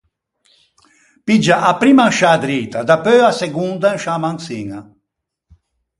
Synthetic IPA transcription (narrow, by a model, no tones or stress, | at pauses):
pid͡ʒaʔapɾiːmanʃaːd̪ɾit̪ad̪apøaseɡund̪anʃamaŋsiŋa